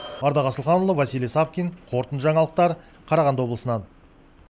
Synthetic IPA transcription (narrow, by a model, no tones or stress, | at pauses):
ɑɾd̪ɑʁɑsəlˠχɑnulˠəvæsilesɑp̚kʲiŋqʰo̞ɾt̪ənʒɑɴɑlˠəq̚t̪ɑɾ | qʰɑɾɑʁɑnd̪wo̞blˠəsənɑn